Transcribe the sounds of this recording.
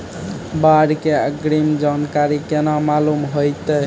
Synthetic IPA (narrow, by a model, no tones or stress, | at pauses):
baɽkeɡɾimd͡ʒankaɾikenamalumɦojt̪ə